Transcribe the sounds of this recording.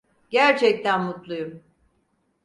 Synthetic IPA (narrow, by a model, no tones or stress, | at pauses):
ɟæɾt͡ʃʰɛc̚t̪ʰænmut̪lˠujum